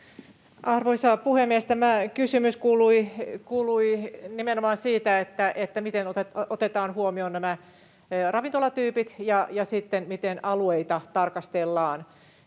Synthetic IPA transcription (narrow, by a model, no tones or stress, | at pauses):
ʔɑrʋoisɑpuhemːiest̪æmækysymyskuːluikuːluinimenomɑːnsiːt̪æet̪ːæʔet̪ːæmit̪enot̪eot̪et̪ɑːnhuomionnæmæ | rɑʋint̪olɑt̪yːpit̪jɑjɑsit̪ːenmit̪enɑlueit̪ɑt̪ɑrkɑst̪elːɑːn